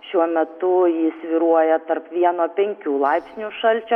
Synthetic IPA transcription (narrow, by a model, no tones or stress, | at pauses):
ʃʲuɔmʲɛt̪ʊjɪsʲʋʲɪɾuɔjɛt̪ɐɾpʋʲiɛnoːpʲɛŋʲkʲuːlˠɐɪpʲsʲnʲuʃɐlʲt͡ʃʲo